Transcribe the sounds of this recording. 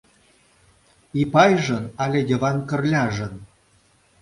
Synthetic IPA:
ipɑjʒɤ̆nɑlʲed̪ʲevɑnkə̆rlʲɑʒɤ̆n

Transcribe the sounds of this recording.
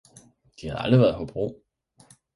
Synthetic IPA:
d̥ihæð̩ˠæ̰ld̥ʁiʋæːɐðˠɦob̥ʁo̝̰ː

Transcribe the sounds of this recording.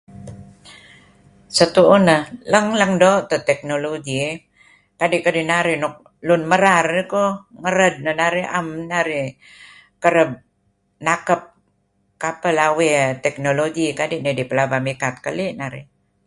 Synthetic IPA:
sət̪uʔunələŋləŋdoʔt̪ət̪ɛk̚noloɡi | kadiʔkədinaɾinʊk̚ | lʊnməɾarikoŋəɾəd̪̚nənaɾiʔa̰mnaɾi | kəɾəb̚ | nakəp̚ | kapəlawit̪ɛk̚noloɡikadiʔnidipəlabamikat̪̚kəliʔnaɾḭ

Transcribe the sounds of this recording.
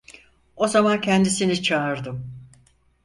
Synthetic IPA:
o̞zamancʰɛnd̪isinit͡ʃʰaːɾd̪ɯm

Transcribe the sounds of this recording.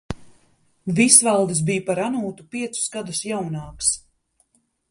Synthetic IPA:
visvalˠd̪ɨs̬bijpaɾanuːt̪upiɛt̪su̥sɡad̪usjawnɑːks

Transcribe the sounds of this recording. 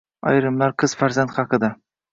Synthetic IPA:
ɒ̰jɾɪmlaɾqʰɨz̥faɾzant̪χɑqɨd̪a

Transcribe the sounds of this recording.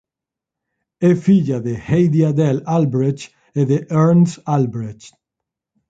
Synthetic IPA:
efiʎaðehejðiad̪ɛlalbɾet͡ʃ | eðeʔeɾnsalbɾet͡ʃ

